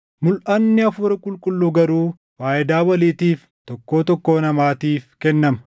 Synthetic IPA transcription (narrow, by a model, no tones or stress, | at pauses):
mʊlʔɐnːɪɐfʊɾɐkʼʊlkʼʊlːuɡɐɾuː | waːʔɪd̪aːwɐliːt̪iːf | t̪ɔkːo̞ːt̪ɔkːo̞ːnɐmaːt̪iːfkɛnːɐmɐ̥